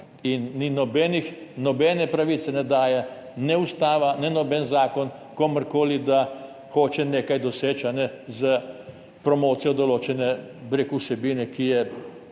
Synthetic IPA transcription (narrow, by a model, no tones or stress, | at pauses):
inːinɔbɛːnixnɔbɛːnɛpɾaʋiːt̪sɛnɛd̪aːjɛ | nɛust̪aːʋanɛnɔbɛnzaːkɔn | kɔməɾkoːlid̪a | xoːt͡ʃɛneːkajd̪ɔseːt͡ʃanɛzə | pɾɔmoːt̪sijɔd̪ɔloːt͡ʃɛnɛbeɾekuwsɛbiːnɛkijɛ